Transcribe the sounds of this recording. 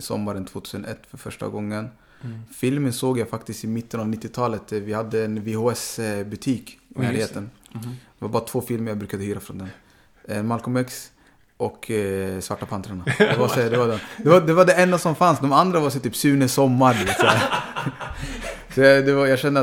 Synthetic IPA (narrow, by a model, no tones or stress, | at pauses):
sɔ̰mːaɾənt̪ʰvoːt̪ʰʉːsənɛ̰t̪ːfœɾfœʂʈa̰ɡɔŋːən | fɪlmənsoːɡjajfakt̪ɪst̪ɪmɪt̪ːənavnɪt̪ːɪt̪ʰɑːlət̪vɪhad̪ːəɛnvɛhʊɛsbɵt̪ʰiːknæːlheːt̪ənd̪ɛvaɾbɑːɾat̪v̥oːfɪlməɾjabɾʉ̟ːkad̪əhyːɾafɾɔnd̪ɛn | ɛmalkʊmɛks | ʔɔkʰsvaʈːapʰant̪ɾaɳad̪ɛvaɛd̪ɛvad̪ɛd̪ɛvad̪ɛvaɖɛɛnd̪asɔmfansd̪ɔmand̪ɾavaɾsɛt̪ʰyːpsʉ̟ːnəsɔmːaɾɖʉvat̪sɛa | sɔjad̪ɛvajaɡɕɛnːə